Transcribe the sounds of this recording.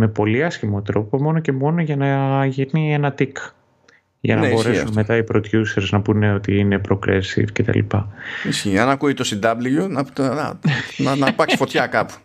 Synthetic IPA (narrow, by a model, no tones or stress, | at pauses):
me̞po̞liɐsçimo̞t̪ɾo̞po̞mo̞no̞ce̞mo̞noʝɐnɐʝiɾnienɐt̪ik | ʝɐ̰nɐbos̞ɾe̞sunme̞t̪ɐipɾo̞d̪ʝuseɾznɐpune̞o̞t̪iine̞pɾo̞kɾesḭfcet̪ɐ̰lḭpɐisçiɐnɐkuit̪osind̪ɐblijonɐɐ̰nɐnɐpɐksi̥fo̞t̪çɐkɐpu̥